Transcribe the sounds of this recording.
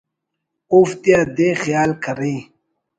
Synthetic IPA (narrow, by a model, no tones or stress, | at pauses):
oft̪jaːd̪exijaːlkʰəɾĩ